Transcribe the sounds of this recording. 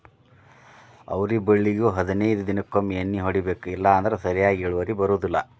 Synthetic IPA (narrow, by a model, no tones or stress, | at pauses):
ɐ̰ʋɾibeɭːiɡuɦɐd̪inɐjd̪ud̪inɐkːomːiɐnːiɦoɽibeːkuilːɐːnd̪ɐɾesɐɾijaːɡeːɭuʋɐɾibɐɾuːd̪ilːɐ̰